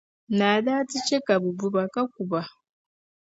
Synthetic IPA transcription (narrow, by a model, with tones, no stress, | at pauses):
naː˨ðaː˦ti˦t͡ʃe˦ka˨βu˨bu˨βaka˦k̚u˨βa